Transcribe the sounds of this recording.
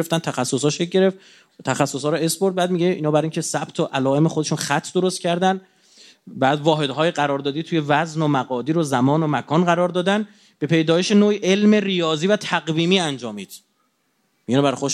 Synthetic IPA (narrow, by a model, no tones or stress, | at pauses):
eft̪ænt̪ʰæxæsːoshɔːʃeɟe̞ɾe̞ft̪ | t̪ʰæxæsːoshɒːɾɔesboɾd̪̚bæːd̪miɟeʔiːnɒːbæɾiŋcʰe̞sæb̥t̪ʰoʔælɒːe̞me̞xod̪e̞ʃuːnxæt̪ʰːd̪oɾost̪cʲʰæɾd̪æn | bæːd̪vɒːɦe̞d̪ɦɒːjeɡæɾɒːɾd̪ɒːd̪iːt̪ʰuːje̞væznomæɣɒːd̪iːɾozæmɒːnomækʰɒːnɢæɾɒːɾd̪ɒːd̪æn | b̥e̞pʰe̞jd̪ɒːjeʃenoːiʔe̞lme̞rijɒːziːvæt̪ʰæɣviːmiːænd͡ʒɒːmiːd̪̥ | minbæɾxo